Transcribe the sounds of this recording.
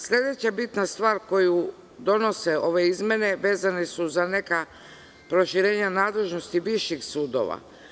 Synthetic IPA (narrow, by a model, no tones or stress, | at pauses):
sʎʲe̞d̪e̞t͡ɕabit̪nast̪ʋaːɾko̞ju | d̪o̞no̞se̞o̞ʋe̞izmʲe̞ne̞ʋe̞ːzanesuzane̞ka | pɾo̞ʃiɾe̞ːɲanaːd̪le̞ʒno̞st̪iʋiʃixsuːd̪o̞̰ʋa̰